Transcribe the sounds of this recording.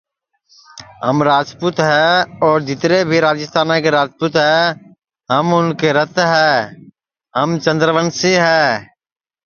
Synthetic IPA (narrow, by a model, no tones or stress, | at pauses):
ɦəmɾaːd͡ʒpuːt̪ɦɛːɔːɾd͡ʒɪt̪ɾebʱiɾaːd͡ʒəst̪ʰaːnãkeɾaːd͡ʒpuːt̪ɦɛː | ɦəmʊnkeɾət̪ɦɛː | ɦəmt͡ʃə̃nd̪ɾəʋənseɦɛː